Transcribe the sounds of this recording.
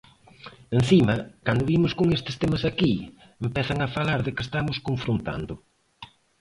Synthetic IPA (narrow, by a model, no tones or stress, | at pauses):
en̟θimɐkand̪ʊβimʊskoŋest̪ɪ̥st̪ɛmɐsaki | empɛθɐŋɐfalaɾðɪkɪest̪amʊskoɱfɾont̪a̰nd̪ʊ